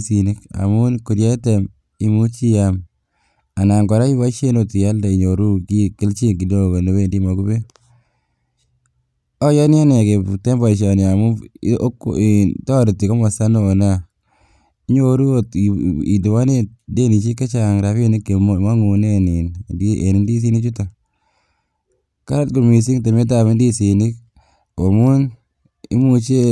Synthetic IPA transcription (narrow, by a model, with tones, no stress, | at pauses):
si˨ne˦ka̰˨mu˦nku˨ɾja˦tɛ˨m | i˦mu˦t͡ʃi˦ja˨m | a˨na˨ŋɡɔ˨ɾa˦i˦wa˦t͡ʃe˦no˨ti˨ja˦lda˨i˨ɲo˨ɾu˦ki˦ki˦lt͡ʃi˦nki˨do˦˨ɡo˨no˨we˦˨ndi˦mɔ˨ku˦be˦ | ɔ˦jɔ˦nja˦ne˨ke˨tɛ˦mba˨i˨t͡ʃɔ˨ni˨a˨mu˦ktɔ˦ɾi˨ti˨kɔ˦mɔ˨sa˦no˨na˦ | i˦ɲo˦ɾu˦o˦ti˨du˨wa˦ne˦de˦˨ni˨t͡ʃi˦ka˦t͡ʃa˨ŋɾa˨fe˦ni˦kːe˨ma˦ŋu˨ne˦ni˨n˨di˦ḛ˨ni˨ndi˦s̬i˦ni˦t͡ʃu˦tɔ˨ | ka˦ɾa˦t̚ku˨mi˨si˦ŋte˨me˦t̬a˨me˦ndi˦si˨ni˦k̚ | o˨mu˦n | ḭ˦mu˦t͡ʃe˦